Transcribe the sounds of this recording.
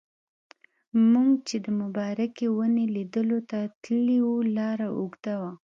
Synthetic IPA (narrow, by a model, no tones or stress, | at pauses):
muŋɡt͡ʃed̪əmʊbɑɾakewənelid̪əlot̪at̪liwulɑɾaʔuɡd̪awa